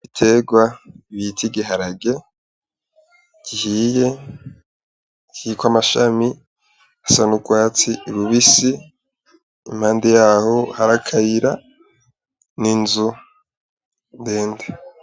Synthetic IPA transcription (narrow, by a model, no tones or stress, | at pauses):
itʰe̞ɡwaβitʰiɡiɦaɾaɡe̞ | ɡ̥ihije̞ | ɟiːkwamaʃami | asanuɡwaːt͡siɾuβisi | m̥haːndejaːho̞haɾakʰaɾiɾa | ninzu | ndeːnde